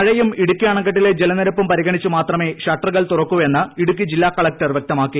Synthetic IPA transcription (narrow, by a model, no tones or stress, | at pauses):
ɐɻɐjumiɽukʲːaːɳɐŋɡɐʈ̬ːile̞d͡ʑelɐnɐɾɐpːumpɐɾiɣɐɳit͡ɕːumaːt̪rɐme̞ːɕɐʈːɐrɣɐɭt̪urɐkːuʋɐe̞nːɨiɽuk̬ʲːid͡ʑilːaːkɐɭɐk̚ʈɐrʋjeɐk̚t̪ɐmaːkːi